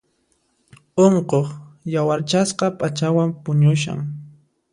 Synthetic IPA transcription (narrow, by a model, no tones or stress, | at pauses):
oɴqoχjawaɾt͡ʃasqɑpʼat͡ʃawampʊɲʊʃa̰ŋ